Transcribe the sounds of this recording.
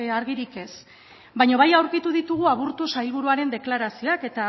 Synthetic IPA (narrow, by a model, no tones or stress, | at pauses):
aɾɣiɾike̞s | bajɲoβajawɾkit̪uðit̪uɣ̞uaβ̞uɾt̪usajlβ̞uɾuaɾe̞nd̪e̞klaɾasio̞ake̞t̪a